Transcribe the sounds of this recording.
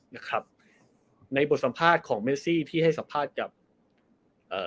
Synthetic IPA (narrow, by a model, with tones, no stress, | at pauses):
na˧˥˩kʰɾa˦˥p̚ | na˧jbo˨˩t̪̚sa˨˦mpʰaː˥˩t̪̚kʰɔː˩˦ŋme˦˥siː˥˩t̪ʰiː˥˩ɦa˥˩jsa˨˦mpʰaː˥˩t̪̚ka˨˩p̚ | ʔɤː˨˩